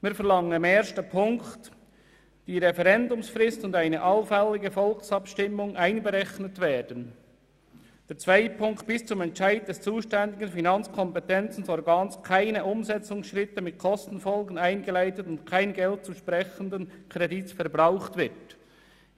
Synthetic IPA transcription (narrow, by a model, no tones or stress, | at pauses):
miːɐfɛɾlɑŋəmɛːstəpʰʊŋkt | d̥iːɾɛfɛʁɛndʊmsfrɪstʊndaɪnəʔɑlfɛlɪɡəfɔlksɑpʃtɪmːʊŋʔaɪnɡəʁɛçnətveːd̥ən | d̥ɛːt͡sv̥aɪt̚pʰʊŋkt̚b̥ɪst͡sʊmɛntt͡ʃaɪd̚d̥ɛst͡suːʃtɛndɪɡənfinɑnt͡skʰɔmpɛtɛnt͡sn̩sɔɾɡaːnskʰaɪnəʔʊmzɛt͡sʊŋsʃʁɪtəmɪt̚kʰɔstn̩fɔlɡənaɪnɡəlaɪtətʊntkʰaɪnɡɛlt̚t͡suːʃpʁɛçəndənkʰʁ̥ɛditsfɛɐbʁaʊχtvɪt